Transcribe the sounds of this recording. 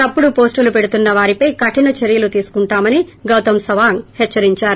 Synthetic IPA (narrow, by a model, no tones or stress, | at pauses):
t̪ɐpːuɽupo̞ːsʈulupeɽut̪unːɐʋaːɾipɐjkɐʈinɐt͡ʃeɾijɐlut̪iːsu̥kuɳʈaːmɐniɡɐwt̪ɐmsɐʋaːŋhɛt͡ʃːɐɾiɲt͡ʃaːɾu